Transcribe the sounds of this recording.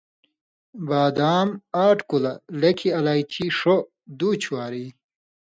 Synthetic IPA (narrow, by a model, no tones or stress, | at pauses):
baːd̪aːmaːʈkulɐlɐkʰiɐlaːjt͡ɕʰiʂo | d̪uːt͡ɕʰuwaːɾi